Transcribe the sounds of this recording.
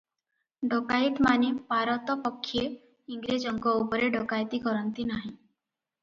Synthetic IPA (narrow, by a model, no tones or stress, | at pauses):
ɖɔkajt̪manipaɾɔt̪ɔpɔkʰːije | iŋɡɾed͡ʒɔŋɡɔupɔɾeɖɔkajt̪ikɔɾɔnt̪inaɦĩ